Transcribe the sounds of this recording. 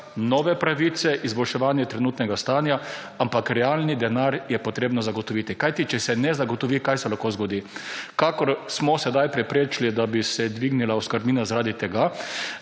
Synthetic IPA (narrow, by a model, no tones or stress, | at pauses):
nɔːʋɛpɾaʋit̪sɛʔizbɔlʃɛʋaːnjɛt̪ɾɛnuːt̪nɛɡast̪aːnja | ampakɾɛaːlnid̪ɛnaɾjɛpɔt̪ɾeːbnɔzaɡɔt̪ɔʋiːt̪ikajt̪it͡ʃɛsɛnɛzaɡɔt̪ɔʋiːkajsɛlaxkozɡɔd̪iːkakɔɾsmɔsɛd̪ajpɾɛpɾeːt͡ʃlid̪abisɛd̪ʋiːɡnilauskəɾbniːnazaɾaːd̪it̪ɛɡa